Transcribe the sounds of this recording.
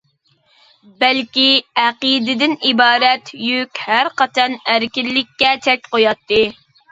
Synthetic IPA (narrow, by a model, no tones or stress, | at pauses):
bɛlkʲiæqid̪ɪd̪ɪnibɑːɾɛt̪jykʲhæɾqɑt͡ʃ̪ʰɛnæɾkʲilːɪkʲːɛt͡ʃʰɛkʲqojɑt̪ːɨ